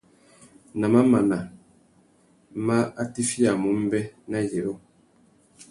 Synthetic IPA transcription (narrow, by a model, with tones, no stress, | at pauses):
na˨ma˦ma˨na˨ | ma˦a˦ti˦fja˨mu˨˦m̩˦bɛ˦na˦˨jɛ˨ʔo˦